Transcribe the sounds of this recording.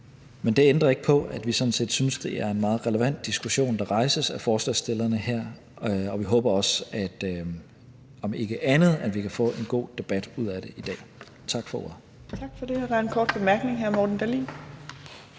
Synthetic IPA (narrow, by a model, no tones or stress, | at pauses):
mend̥e̝end̥ʁɐe̝ɡ̥ə̥pʰɒ̽æd̥ʋisɒ̽dn̩se̝̰ːd̥synsd̥e̝ʔæɐe̝nmɑ̈ːð̩ˠʁɛləʋæn̰d̥̚isɡ̥uɕo̝̰ːnd̥ɑ̈ʁɑ̈ɪsəsæfɒːslɛsd̥e̝lɐnəheɐ̰ | ɒ̽ʋiɦɔ̽ːb̥ɐɒ̽sæd̥ | ɒ̽me̝ɡ̥əʔænð̞̩ˠænʋikʰæfɔ̰̽ːe̝nɡ̥o̝̰ːd̥e̝b̥æd̥uð̞̰ˠæd̥e̝ʔid̥ɛ̰ː | t͡sʰɑ̈ɡ̥fɒo̰ɐ̰ | t͡sʰɑɡ̥fɒd̥e̝ɒd̥ɑ̈ɐenkʰɒ̰ːd̥̚b̥e̝mæɐɡ̥ne̝ŋɦæɐ̰mɒd̥n̩d̥ælḭ